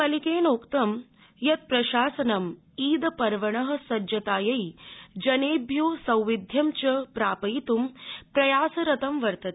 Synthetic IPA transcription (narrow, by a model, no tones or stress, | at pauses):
kɐlikeːnoːkt̪ɐm | jɐt̪̚pɾɐʃaːsɐnɐm | iːd̪ɐpɐɾʋɐɳɐɦɐ̆sɐd͡ʒjɐt̪aːjɐjid͡ʒɐneːbjoːsɐ̃wʋid̪ʱjɐmt͡ʃɐpɾaːpɐit̪umpɾɐjaːsɐɾɐt̪ɐmʋɐɾt̪ɐt̪